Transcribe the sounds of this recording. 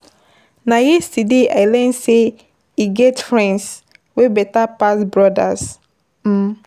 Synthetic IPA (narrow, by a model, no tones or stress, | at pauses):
najistidea̰ɪlɛ̃nse | iɡɛtfɹɛ̃ns | webɛtapasbɹɔda̰s̩